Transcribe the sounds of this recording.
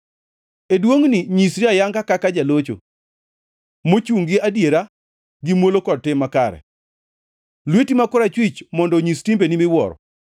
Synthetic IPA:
edwoŋniɲisɾiajaŋɡakakad͡ʒalot͡ʃo̰ | mot͡ʃuŋɡɪadjeɾa | ɡimwolokɔd̚tɪmːakaɾɛ̰ | lwetimakʊɾat͡ʃwɪt͡ʃmɔndɔɲistimbenimɪwɔ̰ɾɔ̰

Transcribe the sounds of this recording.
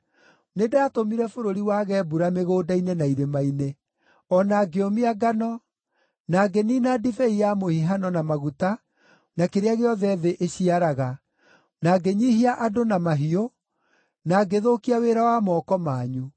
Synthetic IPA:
nedaːtomiɾɛfoɾoɾiwaːɣɛbuɾameɣoːdainenaiɾemaine | ɔnaːɡeomiaɡanɔ | naːɡeninadifɛijamohiɦanɔnamaɣuta | nakeɾeaɣeɔðɛðeʔeɕiaɾaɣa | naɡeɲiɦiaʔadonamaɦio | naɡeðokiaweɾawamɔːkɔmaːɲu

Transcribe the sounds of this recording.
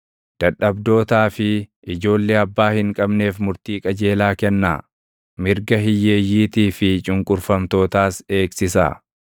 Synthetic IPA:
d̪̥ɐᶑːɐbd̪o̞ːt̪aːfɪ | ɪd͡ʒo̞ːlːeːɐbːaːhɪŋkʼɐbne̞ːfmʊɾt̪iːkʼɐd͡ʒe̞ːlaːkɛnːa̰ː | mɪɾɡɐɦɪjːe̞ːjːiːt̪iːfɪt͡ʃʼʊŋkʼʊɾfɐmt̪o̞ːt̪aːse̞ːksɪsa̰

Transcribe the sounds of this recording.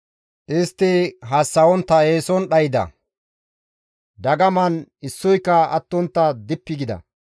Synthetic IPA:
ʔɪst̪ːɪɦɐsːɐwɔnt̪ːɐeːsɔnɗɐjɪd̪ɐ̰ | d̪ɐɡɐmɐnɪsːɔjkːɐɐ̰t̪ːɔnt̪ːɐd̪ɪpːɪɡɪd̪ɐ̰

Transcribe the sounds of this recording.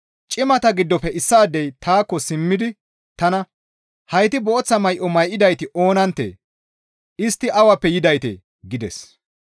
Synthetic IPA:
t͡ʃʼɪmɐt̪ɐɡɪd̪ːɔpɛʔɪsːaːd̪ːɛjt̪aːkːɔsɪmːɪd̪ɪ | t̪ɐnɐ | hɐjt̪ɪbɔɔt͡sːɐmɐjʔɔmɐjʔɪd̪ɐjt̪ɪʔo̞ːnɐnt̪ːḛː | ʔɪst̪ːɪʔɐwɐpːɛjɪd̪ɐjt̪ḛ | ɡɪd̪ɛ̰s

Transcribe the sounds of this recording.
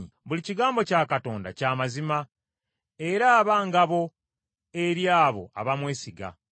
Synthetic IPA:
βuliciɡaːmbo̞caːkato̞ːnda̰caːmazima | e̞ɾaːβaːŋɡaβo̞ | eɾjaːβo̞̰a̰βamwe̞ːsiɡa̰

